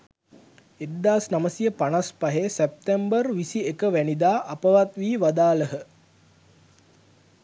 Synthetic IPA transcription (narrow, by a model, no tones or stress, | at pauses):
ed̪ːaːsnaməsijəpanaspaɦesep̚t̪embərʋisiekəʋænid̪aːʔɐpəʋat̪ʋiːʋad̪aːləɦə